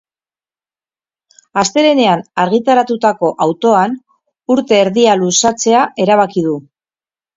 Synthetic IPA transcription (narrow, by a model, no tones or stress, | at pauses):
ast̪e̞ɾe̞ne̞anaɾɣ̞it̪aɾat̪ut̪ako̞ʔawt̪o̞an | uɾt̪e̞ːɾðialusat͡se̞aʔe̞ɾaβ̞akið̞u